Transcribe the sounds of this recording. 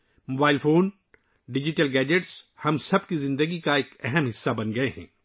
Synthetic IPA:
moːbaːɪlfoːn | ɖɪd͡ʒɪʈəlɡɛːd͡ʒeʈshɐmsɐbkizɪ̃nd̪əɡikaeːkɛɦɛmɦɪsːabɐnɡɐeɦɛ̰̃ː

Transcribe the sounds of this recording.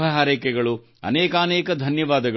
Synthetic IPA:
ɐɦaːɾeːkɛɡɐɭu | ɐ̰nɛːkaːnɛːkɐd̪ʱɐnjɐʋaːd̪ɐɡ

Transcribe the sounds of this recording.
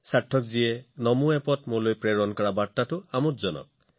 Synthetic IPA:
saʈʰːɔkzienɔmuepɔt̪mulojpɾeɾɔnkɔɾabaɾtatuamutd͡ʒɔnɔ̰k̚

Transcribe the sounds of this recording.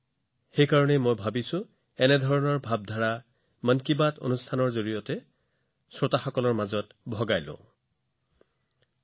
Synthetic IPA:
xejkaɹɔnɛmojbʱabisʊ̃ | ɛnɛdʱɔɹɔnɔɹbʱab̚dʱaɹa | mankibato̰nustʰanɔɹzoɹijɔtɛ | sɹotaxɔkɔlɔɹmazɔtbʱɔɡajlʊ̰̃

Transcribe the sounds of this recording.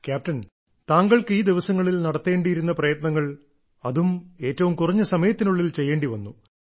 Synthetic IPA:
kjaːp̚tɐn | t̪aːŋɡɐɭkɨiːd̪iʋɐsɐŋːɐɭilnɐɽɐt̪ːe̞ːɳɖijiɾunːɐprɐjɐt̪nɐŋːɐɭ | ɐðume̞ːtːɐʋumkurɐɲːɨsɐmɐjɐt̪ːinuɭːilt͡ɕe̞jːe̞ːɳɖiʋɐnːu

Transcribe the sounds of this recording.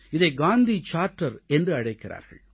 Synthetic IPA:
ɪðɐɪɡaːnd̪it͡ʃaːɾʈːɐɾɛndrɯɐɽɐɪkːɪɾa̰ːɾɣɐ̰ɭ

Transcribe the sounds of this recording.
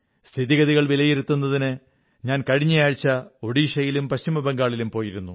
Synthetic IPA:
st̪ʰiðiɣɐðiɣɐɭʋilɐjiɾut̪ːunːɐðinɨ | ɲaːnkɐɻiɲːɐjaːɻt͡ɕːɐo̞ɽiːʂɐjilumpɐɕimɐbeŋɡaːɭilumpo̞ːjiɾunːu

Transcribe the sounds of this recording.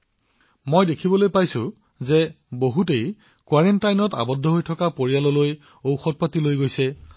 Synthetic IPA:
mojdekʰibɔlojpajsʊ̃ | ze | boɦutej | kwaɹentajnɔta̰bɔdʱːɔɦojtʰɔkapoɹijalɔloj | owxɔt̚patilojɡojsɛ

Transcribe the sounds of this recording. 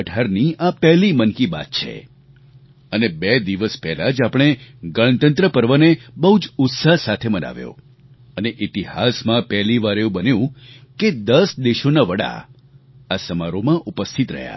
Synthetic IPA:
əʈʰaɾniapɛɦlimənkiba̰t̪̚t͡ʃʰḛ | ənebed̪iʋəspɛɦlad͡ʒapɽ̃eɡəɭ̃t̪ənt̪ɾəpəɾʋənebəɦud͡ʒʊt̪sasat̪ʰeməna̰ʋjo̰ | əneʔit̪ihasmãpɛɦliʋaɾeũbənjũked̪əsd̪eʃonaʋəɽa̰ | asəmaɾomãʔupəst̪ʰit̪ɾə̰ɦja̰

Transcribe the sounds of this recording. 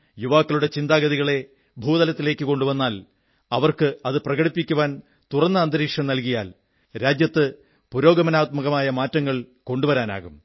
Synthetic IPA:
juʋaːkːɐluɽe̞t͡ɕind̪aːɡɐðiɣɐɭe̞ | bʱuːd̪ɐlɐt̪ːile̞ːkːɨko̞ɳɖuʋɐnːaːl | ɐʋɐrkɨɐðɨprɐɣɐɽipːikʲːuʋaːn | t̪urɐnːɐɐnd̪ɐɾiːkʂɐmnɐlkijaːl | ɾaːd͡ʑjɐt̪ːɨ | puɾo̞ːɡɐmɐnaːt̪̚mɐɣɐmaːjɐmaːtːɐŋːɐɭko̞ɳɖuʋɐɾaːna̰ːɣum

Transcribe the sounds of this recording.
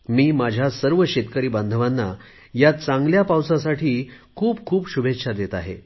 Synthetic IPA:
miːmad͡ʑʱjasəɾʋəɕet̪kəɾiːbə̃nd̪ʱʋanːa | jat͡sãŋɡljapawsasaʈʰiːkʰuːpkʰuːpɕubʱet̪ɕʰad̪et̪aɦḛ

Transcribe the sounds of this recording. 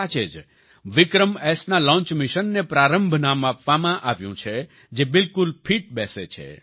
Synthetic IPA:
at͡ʃed͡ʒ | ʋɪkɾəmɛsnalɔ̃ɲt͡ʃmiʃənːepɾaɾəmbʱnamapʋamãʔaʋjṵ̃t͡ʃʰe | d͡ʒebɪlkulpʰiʈ̚bɛset͡ʃʰḛ

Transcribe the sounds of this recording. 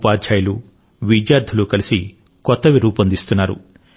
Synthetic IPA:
paːdd͡ʒaːjɐlu | ʋid͡ʒjaːɾd̪ʱuluːkɐlisi | kɔt̪ːɐʋiɾuːpɐnd̪ist̪unːaːɾṵ

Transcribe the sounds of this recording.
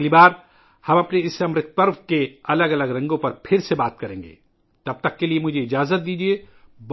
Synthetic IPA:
libaːɾ | hɐmɐpneɪsɐmɾɪt̪̚ʰpəɾʋkeɐləɡɐləɡɾɐ̃ŋɡõpɐɾpʰɪɾsebaːt̪̚kɐɾẽːŋɡḛː | t̪ɐb̚t̪ɐkːeliemʊd͡ʒʱeɪd͡ʒaːzət̪̚d̪iːd͡ʒieb

